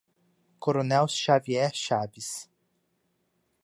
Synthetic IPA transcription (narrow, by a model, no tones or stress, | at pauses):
koɾonɛwsʃaviɛʃavis